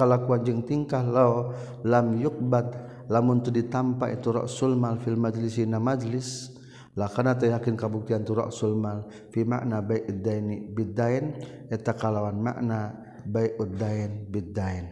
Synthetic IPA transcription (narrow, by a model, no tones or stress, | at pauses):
kəlakuand͡ʒəŋt̪iŋkahlaɔ | lamjuk̚bat̪̚ | lamunt̪udit̪ampaʔḭt̪uɾɔ̰ʔsulmalfilmad͡ʒlisinamad͡ʒlis | lakarnat̪ajakinkabuk̚t̪iant̪uɾɔ̰ʔsulmal | fima̰ʔnabaiʔud̪aɛnibid̪aɛnɛt̪akalawanma̰ʔna | baiʔud̪aɛnbid̪aɛn